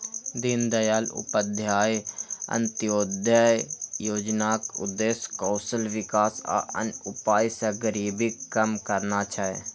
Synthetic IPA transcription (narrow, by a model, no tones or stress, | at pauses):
d̪ind̪ɐjaːlʊ̰pəd̪ʱjaːjɐ̰̃nt̪ijoːd̪ʱjajjoːd͡ʒnaːkʊ̰d̪eːskɔːsəlʋɪkaːsa̰ʔə̰nʊpaːjsɐɡəɾiːbikəmkəɾnat͡ʃʰae